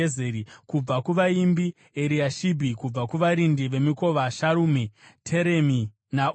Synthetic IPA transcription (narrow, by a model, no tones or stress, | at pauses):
zeɾikub͡vakuʋaimbi | eɾiaʃibʱikub͡vakuʋaɾindiʋe̞miko̞ʋaʃaɾuːmitʰe̞ɾemi | na